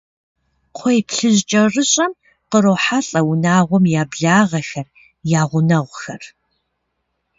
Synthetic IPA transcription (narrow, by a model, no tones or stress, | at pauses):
qʷʰɔjpɬɨʑt͡ʃʼɐrɨɕʼɐm | qəɾoːħaɬʼɐwʊnaːʁʷɔmjaːbɮaːʁɐxɐr | jaːʁʷʊnɐʁʷxɐr